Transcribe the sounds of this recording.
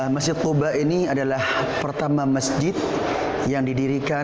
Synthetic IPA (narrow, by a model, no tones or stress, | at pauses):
məsd͡ʒɪt̪̚kobainiadalah | pərt̪amaməsd͡ʒɪt̪̚ | jaŋdidiɾika